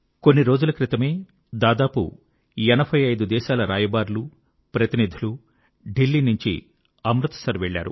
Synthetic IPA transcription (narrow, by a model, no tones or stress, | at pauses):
ko̞nːiɾo̞ːd͡ʒulɐkɾit̪ɐme̞ː | d̪aːd̪aːpṵ | ɛnɐbʰʱɐjɐjd̪ud̪ɛːʃaːlɐɾaːjɐbaːɾlu | pɾɐt̪inid̪ʱilu | ɖilːiːnuɲt͡ʃḭ | ɐmɾut̪ɐ̥sɐɾʋeɭːa̰ːɾṵ